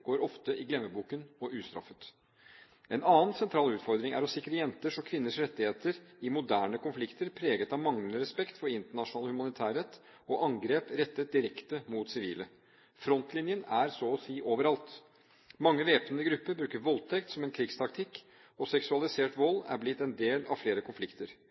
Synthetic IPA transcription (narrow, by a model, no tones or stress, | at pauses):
ɡ̥oːɾɔft̪əʔɪɡlɛmːəbuːkənɔʔʉːst̪ɾɑ̰fət̪ | ɛnɑːənsɛnt̪ʰɾɑːlʉːt̪fɔɾd̪ɾɪŋæ̰ɾɔsɪkɾəjɛnt̪əʂɔkʰʋɪnːəʂɾɛt̪ːɪheːt̪əɾɪmʊd̪æːɳəkʊnflɪkt̪əɾpʰɾeːɡət̪ɑʋmɑŋlənəɾɛspɛkt̪fɔɾɪnt̪əɳɑʂʊnɑːlhʉmɑnɪt̪ʰæːɾɛt̪ː | ɔʔɑŋɡɾeːpɾɛt̪ːət̪̚d̪ɪɾɛkt̪əmut̪sɪʋiːlə | fɾɔnt̪lɪnjənæɾsɔɔsiːʔoːʋəɾɑlt̪ | mɑŋːəʋeːpnəɡɾʉpːəɾbɾʉːkəɾʋɔlt̪ʰɛkt̪sɔmɛnkʰɾɪɡst̪ʰɑk̚t̪ʰɪkː | ɔsɛksʉɑlɪseːʈʋɔlːæ̰ɾblɪt̪ːɛnd̪eːlɑ̰ʋfleːɾəkʰʊnflɪkt̪əɾ